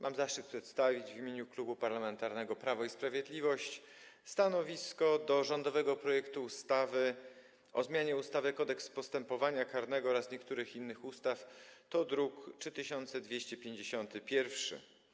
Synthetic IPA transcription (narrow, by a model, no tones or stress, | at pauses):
mʔamzafʂt͡ʂɘt̪̚pʂɛt̪st̪avʲid͡ʑvʲimʲjeɲuklubupaɾlamɛnt̪aɾnɛɡɔpɾavɔispɾavʲjɛd̪lʲivɔɕt͡ɕ | st̪anɔvʲiskɔd̪ɔʐɔnd̪ɔvɛɡɔpɾɔjɛkt̪uːst̪avɘ | ɔ̰zmʲjaɲɛust̪avɛkɔd̪ɛkspɔst̪ɛmpɔvaɲakaɾnɛɡɔɔɾasɲɛkt̪uɾɘxinːɘxust̪aft̪ɔd̪ɾukt͡ʂɘt̪ɘɕɔnt̪sɛd̪vʲjeɕt͡ɕɛpʲjeɲd͡ʑeɕɔnt̪ɘpʲjɛɾfʂɘ̰